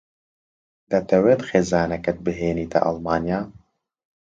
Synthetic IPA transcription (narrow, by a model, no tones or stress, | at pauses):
d̪ɐt̪ʰɐweːt̪xeːzaːnɐkɐt̪̚bɨɦeːniːt̪ʰɐ̰ʔɐlˠmaːnjaː